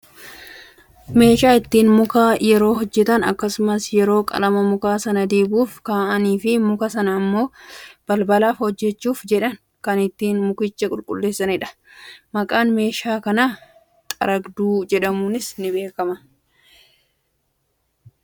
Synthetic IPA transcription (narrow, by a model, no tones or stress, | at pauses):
me̞ːʃaːɪt̪ːiːnmʊkaːjɛɾo̞ːhɔd͡ʒːɛt̪ɐnɐ̰kːɐsʊmɐsjɛɾo̞ːkʼɐ̰lɐmɐmʊkaːsɐnɐd̪eːbuːfkaːʔɐniːfɪmʊkɐsɐnɐːmːo̞ːb̥ɐlbɐlaːfhɔd͡ʒːɛt͡ʃːuːfd͡ʒɛᶑɐn | kɐnɪt̪ːiːnmʊkɪt͡ʃːɐkʼʊlkʼʊ̰lːe̞ːsːɐnɪᶑɐ̥ | mɐkʼaːnme̞ːʃaːkɐnaː | t̪ʼɐ̰ɾɐɡd̪uːd͡ʒɛᶑɐmuːnɪsnɪbe̞ːkɐmɐ